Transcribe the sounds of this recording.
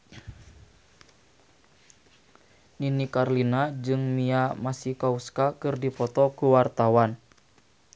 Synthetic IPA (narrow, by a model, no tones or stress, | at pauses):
ninikarlinad͡ʒɨŋmiamasikauskakɨrdipɔt̪ɔkuwart̪awan